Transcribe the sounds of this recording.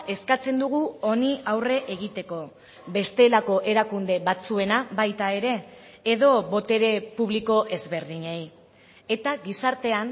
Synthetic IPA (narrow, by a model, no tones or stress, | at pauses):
e̞skat͡se̞nd̪uɣ̞uo̞niawre̞ʔeɣit̪e̞ko̞ | be̞st̪e̞lako̞ʔe̞ɾakund̪e̞βat͡sue̞naβajt̪ae̞ɾe̞ː | ðo̞βo̞t̪e̞ɾe̞puβ̞liko̞ʔe̞zβe̞ɾðiɲej | et̪aɣisaɾt̪e̞an